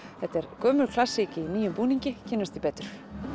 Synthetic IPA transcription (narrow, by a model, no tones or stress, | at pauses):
θɛht̪ɛɾkœːmʏɾkʰlasicɪiniːjʏmpuːniɲcɪcʰɛːnːast̪ipɛːt̪ʏ̥ɾ̥